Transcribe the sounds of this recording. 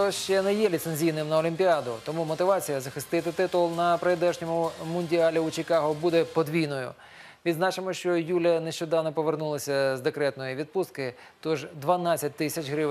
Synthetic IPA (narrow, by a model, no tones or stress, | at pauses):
ɔʃt͡ʃɛnɛjɛlʲit̪senʲzʲijnɪmnɐɔlʲimʲpʲiɑd̪ʊt̪ɔmumɔt̪ɪʋɑt͡sʲijɐzɐxɪst̪ɪt̪ɪt̪ɪt̪ʊlˠnɐpɾed̪ɛʒnʲɔmʊmʊnʲdʲiɑlʲiʊt͡ʃɪkɑɦʊbud̪ɛpɔd̪ʋʲijnɔjʊ̰ | ʋʲid̪znɑt͡ʃɪmɔʃt͡ʃɔjulʲɐnɛʃt͡ʃɔd̪ɑwnɔpɔʋernulˠɐsʲɐzd̪ekɾɛt̪nɔjiʋʲid̪pust̪kɪ | t̪ɔʒd̪ʋɐnɑt͡sʲːɐt̚ʲt̪ɪsʲɐt͡ʃɦɾɪʋ